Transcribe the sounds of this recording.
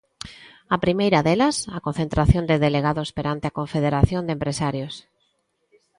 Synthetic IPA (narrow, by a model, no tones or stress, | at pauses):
apɾimejɾaðelɐsakon̟θent̪ɾaθjond̪ɪðeleɣaðospeɾant̪eakoɱfeðeɾaθjond̪empɾesaɾjos